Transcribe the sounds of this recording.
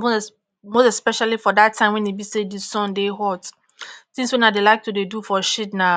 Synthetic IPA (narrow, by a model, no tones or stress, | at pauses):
mo | mostɛspɛʃalifɔdatʰːãɪ̃mwɛ̃ndebisedisɔ̃ndeɦɔt | sĩŋswɛ̃nadelaɪk̚tʰudedufɔʃidna